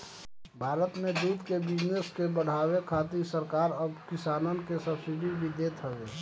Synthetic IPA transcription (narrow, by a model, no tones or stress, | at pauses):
bʱaːɾət̪mẽd̪uːd̪kebɪd͡ʒneskebəɽ̤aːwekʰaːt̪isəɾkaːɾəbkɪsaːnənkesəbsɪɖibʱid̪eːt̪ʰəʋeː